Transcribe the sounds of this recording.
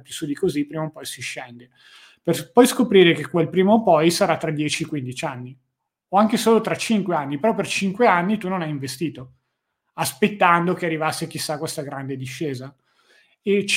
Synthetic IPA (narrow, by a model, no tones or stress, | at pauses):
pisud̪ikozipɾiːmopɔjsiʃːɛnd̪e | perpɔjskopɾiːɾekekwelpɾiːmopɔjsaɾat̪ːɾad̪jɛːt͡ʃiekwind̪it͡ʃanːi | oaŋkesoːlot̪ɾat͡ʃiŋkweanːipeɾɔpert͡ʃiŋkweanːit̪unːonajiɱvest̪iːt̪o | aspet̪ːand̪okearːivasːek̟isːakːwest̪aɡɾand̪ed̪iʃːeːza | et͡ʃ